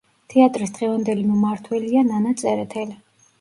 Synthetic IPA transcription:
t̪ʰɛat̪ʼɾisd̪ʁɛvand̪ɛlimɔmaɾt̪ʰwɛliananat̪sʼɛɾɛt̪ʰɛli

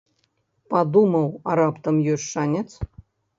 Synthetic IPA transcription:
pɑd̪umɤwɑɾɑpt̪ɤ̆mjøʃːɑnʲĕt͡s

